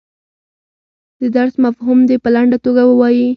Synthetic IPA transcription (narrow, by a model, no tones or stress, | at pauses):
d̪əd̪aɾsmafɦumd̪epəlaɳɖat̪oɡawəwɑji